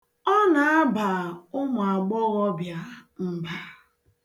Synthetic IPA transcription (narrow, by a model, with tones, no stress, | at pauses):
ɔ˦na˨a˦ba˨ʊ˦mʊ˨a˨ɡ͡bɔ˦ɣɔ˦bja˦m̩˨ba˦